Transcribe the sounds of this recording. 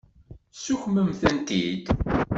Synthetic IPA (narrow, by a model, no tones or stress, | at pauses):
suçməmθænt̪id̪